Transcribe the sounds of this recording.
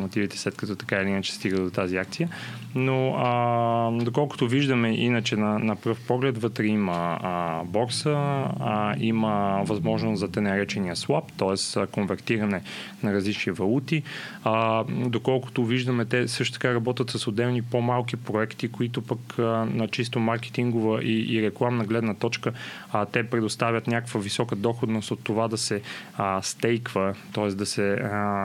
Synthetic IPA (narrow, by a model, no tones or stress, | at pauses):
mot̪ivit̪ɛ̥slɛt̪kɐt̪ɔt̪ɐ̥kailiinət͡ʃɛ̥st̪iɡəd̪ot̪aziakt̪sijə | no | d̪okɔlˠkʊ̥t̪ʊviʒd̪əmɛʔinət͡ʃɛnɐnɐpɾəfpɔɡlɛt̪vɤt̪ɾɛimə | bɔɾsə | iməvɐzmɔʒnoszɐt̪ɛnɐɾɛt͡ʃɛniəswapt̪ɔɛskonvɛɾt̪iɾɐnɛnɐɾɐzlit͡ʃnivɐlˠut̪i | d̪okɔlˠkʊ̥t̪ʊviʒd̪ɐmɛt̪ɛsɤʃt̪o̥t̪kaɾɐbɔt̪ʲət̪sɐsod̪ɛvnipomalˠkipɾoɛkt̪ikoit̪opəknɐt͡ʃis̬t̪omaɾkɛ̥t̪iŋɡovəʔiʔːɾɛklˠamnɐɡlɛd̪nət̪ɔt͡ʃkə | t̪ɛpɾɛd̪ost̪avʲət̪nʲakəkvəvisɔkəd̪ɔxod̪nost̪ot̪ːovad̪ɐsɛst̪ɛjkvət̪ɔɛsd̪ɐsɛ